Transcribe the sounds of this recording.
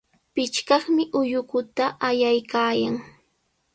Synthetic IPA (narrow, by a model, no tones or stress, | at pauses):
pɪt͡ʃkɑχmɪʔʊjʊkʊt̪aʔajajkaːjaŋ